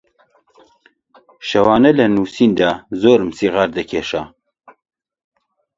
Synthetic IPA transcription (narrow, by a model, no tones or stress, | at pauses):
ʃɐwɑːnɐlɐnuːsiːnd̪aːzoːɾmsiːʁaɾd̪ɐkʰeʃaː